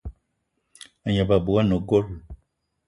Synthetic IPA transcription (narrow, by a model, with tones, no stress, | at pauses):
a˨ɲa˨ba˨bu˨wa˦no˨ɡo˦l